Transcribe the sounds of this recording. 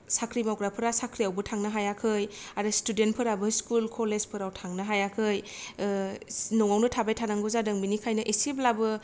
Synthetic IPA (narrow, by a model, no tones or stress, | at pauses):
sakʰɾimawɡɾapʰɯɾasakʰɾiawbɯtʰaŋnɯɦajakʰɯjaɾɯstudent̚pʰɯɾabɯskulkʰolezpʰɯɾawtʰaŋnɯɦajakʰɯj | nɔŋawnɯtʰabajtʰanaŋɡɯzadɯŋbinikʰajnɯʔesiblabɯ